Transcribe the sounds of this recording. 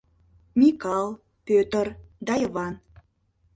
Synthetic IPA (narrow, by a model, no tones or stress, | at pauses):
mʲikɑlˠ | pøt̪ərd̪ɑjβɑn